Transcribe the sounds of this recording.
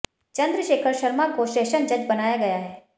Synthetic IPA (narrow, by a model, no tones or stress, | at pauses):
t͡ʃɐ̃nd̪ɾəʃeːkʰəɾʃɐɾmakoʃɛːʃənd͡ʒɐd͡ʒbɐnaːjaɡɐjaɦɛː